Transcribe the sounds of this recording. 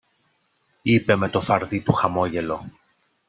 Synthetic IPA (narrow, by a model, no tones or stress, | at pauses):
ipe̞me̞t̪o̞fɐɾðit̪uxɐmo̞ʝe̞lo̞